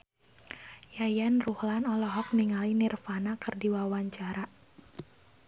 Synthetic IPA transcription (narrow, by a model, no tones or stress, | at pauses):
jajanruhlanɔlɔɦɔk̚niŋalinirfanakɨrdiwawaɲt͡ʃaɾa